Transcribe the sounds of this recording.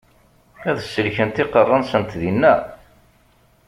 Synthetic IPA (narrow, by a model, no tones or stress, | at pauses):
æðəsːəlçənt̪ɪqərˤːənsənt̪ðinːæ